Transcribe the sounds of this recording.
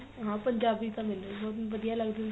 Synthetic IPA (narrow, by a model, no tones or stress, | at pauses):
ɦãːpəɲd͡ʒaːbiːt̪ãːmɪlobɔːt̪ʋəd̪ijaːləɡd̪e